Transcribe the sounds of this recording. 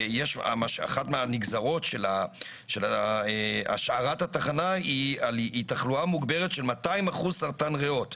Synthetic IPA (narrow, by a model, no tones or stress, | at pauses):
jeʃa̰maʃa̰χatmeaniɡzaʁo̞tʃe̞la | ʃelaea̰ʃaʁathataχanaialitaχluamuɡbeʁetʃe̞lmataimaχuzsaʁtanʁeo̞t